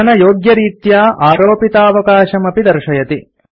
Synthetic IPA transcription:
ɐnɐjoːɡjɐɾiːt̪jaːʔaːɾoːpit̪aːʋɐkaːʃɐmɐpid̪ɐɾʃɐjɐt̪i

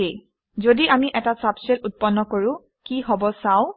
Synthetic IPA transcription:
ej | zodiʔamiʔɛtasapsɛlut̚pɔnːɔkoɹʊ̃ | kiɦɔbɔsaʊ̃

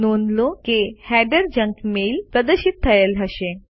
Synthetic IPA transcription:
nonlokehæɖəɾd͡ʑəŋkmelpɾəd̪əɾɕit̪ʰːəjəlɦəɕe

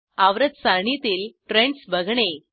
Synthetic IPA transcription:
aʋɾɐd̪saɳit̪ilʈɾeɳɖsʋɐɡɐɳe

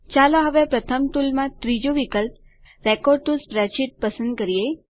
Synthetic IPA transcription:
t͡ʃaloɦəʋepɾət̪ʰəmʈ̪ulmãt̪ɾid͡ʒoʋikəlp̚ | ɾɛkɔɖ̚ʈusbɾɛt͡ʃiʈ̚pəsənd̪̚kəɾije

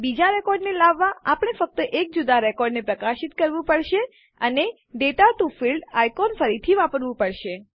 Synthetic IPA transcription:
bid͡ʒaɾɛkɔɾɖnelaʋːaapɳ̃efək̚t̪əʔek̚d͡ʒud̪aɾɛkɔɾɖnepɾəkaʃɪt̪kəɾʋũpəɽʃe | əne | ɖeʈat̪ufilɖajkɔnfəɾit̪ʰiʋapəɾʋũpəɽʃe

